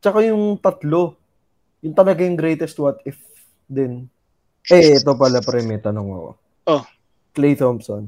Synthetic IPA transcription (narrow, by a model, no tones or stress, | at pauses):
t͡ʃɐkajʊŋt̪ɐt̪lo̞ | jʊnt̪ɐlɐɡajʊŋɡɾɛjt̪ɛst̪̚wɐt̪ɪf | d̪ɪn | ʔɛɛt̪opɐlɐpɾɛmɛt̪ɐnoŋɐ̰ko̰ | o | klejt̪omson